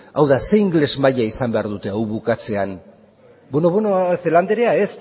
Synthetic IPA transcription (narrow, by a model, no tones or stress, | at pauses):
awðase̞iŋɡle̞zmaʎaisambe̞aɾðut̪e̞awβukat͡se̞an | bweno̞βwenoθe̞land̪eɾeaes